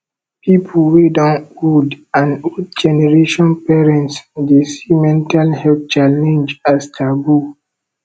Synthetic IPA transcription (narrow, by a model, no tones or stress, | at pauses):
pipʰəlwedãnudãnud̚d͡ʒɛnɛɹeʃɔ̃npɛɹɛ̃ntsdesimɛ̃ntalhɛlθt͡ʃalɛ̃nd͡ʒastʰabu